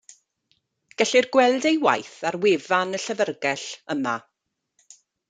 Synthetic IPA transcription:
ɡ̥ɛɬirɡwɛlˠdejwa̰jθarwevanəɬəvərɡɛɬəma

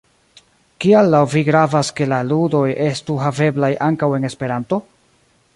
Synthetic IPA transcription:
kialːawviɡɾavaske̞laludo̞je̞stuɦave̞blajʔaŋkawe̞ne̞spe̞ɾanto̞

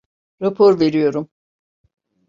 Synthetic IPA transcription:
ɾapʰoɾve̞ɾijo̞ɾum

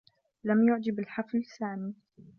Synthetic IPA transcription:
lamjʊʕd͡ʒɪbɪlħaflsaːmi

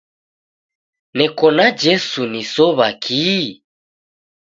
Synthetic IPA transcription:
nɛkɔnad͡ʒɛsunisɔβakʰi

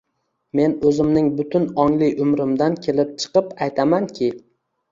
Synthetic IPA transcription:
me̞nɵzɪmnɪŋbʊt̪ʰʊnɒŋlɪjʊmɾɪmd̪ankʲʰe̞lɪp̚t͡ʃʰɨ̥qɨpajt̪ʰamankʲʰɪ

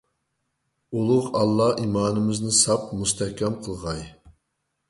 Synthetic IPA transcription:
ulˠʊqɑlˠːɑʔimɑːnɨmɪznɪsɑp̚must̪ʰɛhkʲɛmqʰəlˠʁɑj

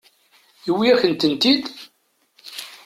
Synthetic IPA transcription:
iwːiæçənt̪ənt̪id̪

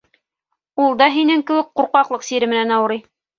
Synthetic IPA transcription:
ulˠd̪ɑɦinɘŋkɘ̆wɘk̚quɾqɑqlˠɤqsiɾɘ̆mɘ̆nænɑwɤ̆ɾɤj

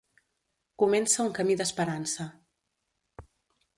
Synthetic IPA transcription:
kumɛnsəuŋkəmiðəspəɾansə

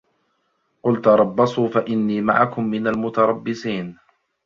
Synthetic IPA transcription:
qʊlt̪ʊɾˤɑbːɑsˤuːfaʔɪnːiːma̰ʕakʊmːɪnalmʊt̪ɑɾˤɑbːɪsiːn

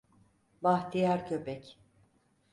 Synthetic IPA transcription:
baht̪ʰijaɾcʰøpʰɛc

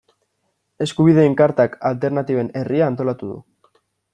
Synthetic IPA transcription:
e̞skuβ̞iðe̞ːŋkaɾt̪akalt̪e̞ɾnat̪iβe̞ne̞riaːnt̪o̞lat̪uðṵ

